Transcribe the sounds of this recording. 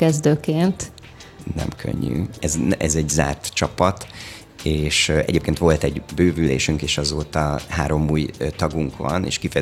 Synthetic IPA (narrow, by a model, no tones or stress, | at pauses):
kɛzd̪øːkeːnt̪ | nɛ̰mkʰø̰ɲːy̰ɛzʔɛzɛɟza̰ːrt̪t͡ʃɒpɒt̪ | eːʃɛ̰ɟeːp̚keːnt̪ʋo̞lt̪ɛɟbøːvyleːʃyŋkeːʃɒzoːt̪ɒɦaːɾo̞muːjt̪ɒɡuŋkʋɒ̰nḛːʃkifɛjɛ